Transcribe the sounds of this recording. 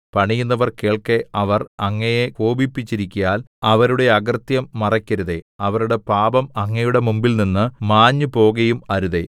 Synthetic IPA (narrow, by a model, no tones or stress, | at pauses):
pɐɳijunːɐʋɐrke̞ːɭkeɐʋɐrɐŋːɐjekoːbipːit͡ɕːiɾikʲːujaːl | ɐʋɐɾuɽe̞ɐɡɐrt̪jɐmːɐrɐkʲːɐɾuðe̞ɐʋɐɾuɽe̞paːbɐmɐŋːɐjuɽe̞mumbilninːɨmaːɲːɨpo̞ːɣɐjumɐɾuðe̞